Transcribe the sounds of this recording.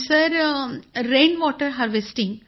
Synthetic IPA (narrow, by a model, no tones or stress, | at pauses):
sɐɾ | ɾẽːnʋɔːʈəɾɦaɾʋesʈɪ̃ŋ